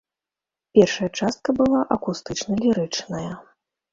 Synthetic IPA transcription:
pʲɛrʂɐjɐt͡ʂast̪̚kɐbɨlˠaʔɐkust̪ɨt͡ʂnɐlʲiɾɨt͡ʂnɐjɐ

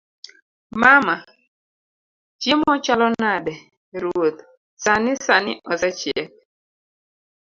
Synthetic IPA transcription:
mama | d͡ʒemɔt͡ʃalɔnadɛ | ɾuot̪ | sanɪsanɪ̰ʔɔsɛt͡ʃjɛk̚

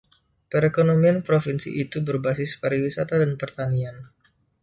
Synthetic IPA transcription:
pəɾekonomianpɾofinsḭʔit̪ubərbasɪspaɾewisat̪adanpərt̪anian

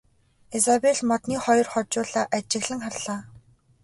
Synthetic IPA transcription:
esapeɮmɔt̪niːχɔjɞ̆rχɔt͡ɕʊːɮaːʔat͡ɕɪ̆ɣɮɘ̆ŋχarɮaː

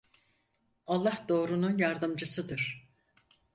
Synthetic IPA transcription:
alˠːahd̪o̞ːɾununjaɾd̪ɯmd͡ʒɯsɯd̪ɯɾ̥

